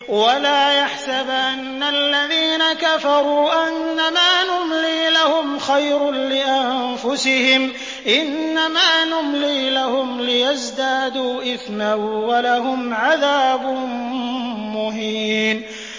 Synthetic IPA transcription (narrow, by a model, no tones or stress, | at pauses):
walaːjaħsabʔanːalːaðiːnakafɑɾˤuːʔanːamaːnʊmliːlahʊmxajɾlɪʔanfʊsɪhɪm | ʔɪnːamaːnʊmliːlahʊmlɪjazd̪aːd̪uːʔɪθnawalahʊmʕaðaːbʊ | mʊhiːn